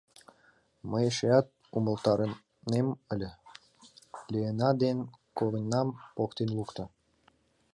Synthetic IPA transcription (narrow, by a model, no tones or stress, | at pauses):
məjʃeɑt̪̚ | umə̆lt̪ɑɾə | neməlʲə̆ | lʲeenɑd̪enkoβənʲːɑmpokt̪enlukt̪ɤ̆